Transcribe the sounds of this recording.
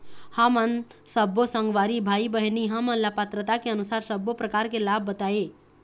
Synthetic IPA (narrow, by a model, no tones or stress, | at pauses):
hamənsəbosə̃ŋɡʋaːɾibʱaibəɦiniɦəmənlapət̪ɾət̪akeənusaːɾsəbopɾəkaːɾkelabːət̪ae